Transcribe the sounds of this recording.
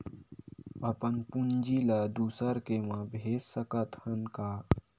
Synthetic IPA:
əpənpund͡ʒilad̪uːsəɾkemãbʱeːssəkət̪hənkaː

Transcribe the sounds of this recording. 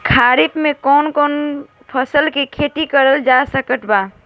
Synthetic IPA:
kʰaːɾɪpmẽkɔːnkɔːn | pʰəsəlkikʰeʈ̪ikəɾəld͡ʒasəkəʈ̪ʰbaː

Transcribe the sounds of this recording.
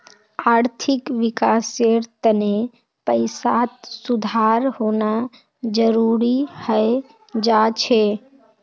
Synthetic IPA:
aːɾt̪ʰɪkʋɪkaːseɾt̪əne | pəɪsat̪sud̪ʱaɾhoːna | d͡ʒəɾuɾihəe | d͡ʒat͡ʃʰe

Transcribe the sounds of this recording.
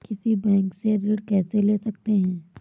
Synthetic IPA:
kɪsibɛ̃ːŋkseɾɪɽkɛːseleːsɐk̚t̪eɦɛ̃ː

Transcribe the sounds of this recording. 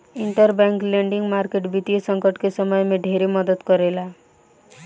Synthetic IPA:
iɳʈəɾbɛŋkleɳɖiŋɡmaɾkeʈbit̪ijesʌŋkəʈkesəməjmeɖʱeɾemʌd̪əd̪kɔɾela

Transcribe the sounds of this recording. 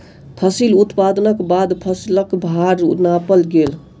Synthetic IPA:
pʰəsilut̪pad̪ənəkbad̪pʰəsiləkbʱaɾ̰napəlɡel

